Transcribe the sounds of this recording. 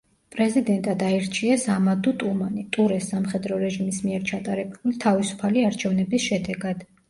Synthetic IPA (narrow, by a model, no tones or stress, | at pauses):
pʼɾɛzid̪ɛnt̪ʼad̪aɛɾt͡ʃʰiɛsamad̪ut̪ʼumanit̪ʼuɾɛsamχɛd̪ɾɔɾɛʒimismiɛɾt͡ʃʰat̪ʼaɾɛbulit̪ʰavisu̥pʰaliaɾt͡ʃʰɛvnɛbisʃɛd̪ɛɡad̪̥